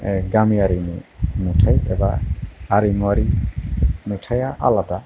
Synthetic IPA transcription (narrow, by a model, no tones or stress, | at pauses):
ɡamiaɾinimutʰajɛ̰baːɾiŋuwaɾi | miʈʰajaʔa̰lad̪a